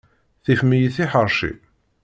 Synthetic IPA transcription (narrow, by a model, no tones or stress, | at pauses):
θifmijəθiħəɾˤʃḭ